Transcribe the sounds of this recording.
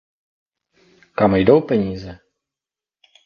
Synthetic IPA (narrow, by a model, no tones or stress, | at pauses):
kamjdowpɛɲiːzɛ